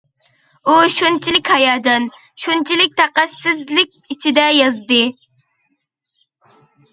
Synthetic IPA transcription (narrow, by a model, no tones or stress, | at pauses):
uʃunt͡ʃʰilɪkʲhɑjɑːd̪ɨn | ʃunt͡ʃʰilɪk̚ʲt̪ʰæqæsɪzlɪk̚ʲit͡ʃʰid̪ɛjɑzd̪ɨ